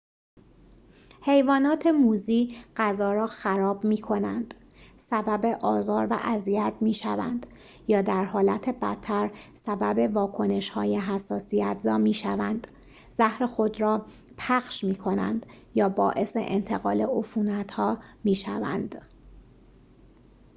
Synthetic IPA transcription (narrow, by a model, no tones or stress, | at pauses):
he̞jvɒːnɒːt̪ʰe̞muːziːɢ̥æzɒːɾɒːxæɾɒːbmiːkʰo̞nænd̪̥ | sæbæbe̞ʔɒːzɒːɾvæ̰ʔæziæt̪̚ʰmiːʃæ̰væ̰nd̪̥ | jɒːd̪æɾhɒːlæt̪ʰe̞bæt̪ʰːæɾsæbæbe̞vɒːkʰo̞ne̞ʃhɒ̰ːjeɦæsːɒːsijæt̪ʰzɒːmiːʃævænd̪̥ | zæhɾe̞xo̞d̪ɾɒː | pʰæxʃmiːkʰo̞næ̰nd̪̥ | jɒːbɒːʔe̞se̞̰ʔent̪ʰe̞ɣɒːle̞ʔofuːnæt̪hɒːmiːʃæ̰væ̰nd̪̥